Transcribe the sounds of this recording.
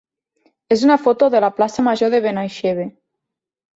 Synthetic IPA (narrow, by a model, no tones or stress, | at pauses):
ez̬unafot̪oðelaplasamaʒoðeβenajʃeβe